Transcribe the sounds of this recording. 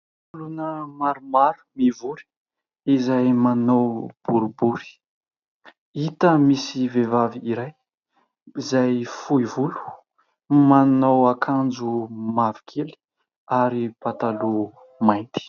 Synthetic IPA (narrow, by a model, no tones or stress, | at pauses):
fulunəmaɾumaɾu̥mivuɾi̥ | izajmanowb̥uɾubuɾi̥ | it̪əmisivevaviiɾaj | izajfuivulu̥ | manowakʰand͡ʒumavikʰeli̥ | aɾipat̪alu | majnt̪i̥